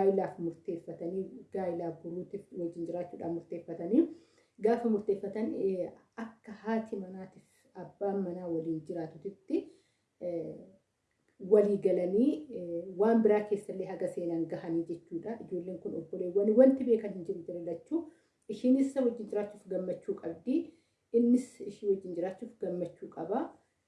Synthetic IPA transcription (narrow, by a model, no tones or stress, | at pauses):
aːjɪlaːfmʊɾt̪e̞ːfːɐt̪ɐniːɡaːjɪlaːfɡʊɾuːt̪ɪfwɔd͡ʒːɪnd͡ʒɪɾaːt͡ʃːuːᶑa̰ːmʊɾt̪eːfːɐt̪ɐniː | ɡaːfɐmʊɾt̪e̞ːfːɐt̪ɐn | ɐkːɐhaːt̪ʰɪmɐnaːt̪ɪf | ɐbːaːmɐnaːwɐliːnd͡ʒɪɾaːt̪ʊt̪ɪt̪ːɪ | wɐliːɡɐlɐniːwaːnbɪɾaːke̞ːsːɐlːeːhɐɡɐse̞ːnaːŋɡɐhɐniːd͡ʒɛt͡ʃːuːᶑɐʔɪd͡ʒo̞ːlːe̞ːŋkʊnɔbːɔleːwɐnɪwɐnt̪ɪbe̞ːkɐnhɪnd͡ʒɪɾd͡ʒɪɾɛlːɐt͡ʃːuː | ɪʃiːnɪsɐwɔd͡ʒːɪnd͡ʒɪɾaːt͡ʃːuːfɡɐmːɐt͡ʃːuːkʼɐbd̪iː | ɪnːɪsɪʃiːwɔd͡ʒːɪnd͡ʒɪɾaːt͡ʃːuːfɡɐmːɐt͡ʃːuːkʼɐbɐ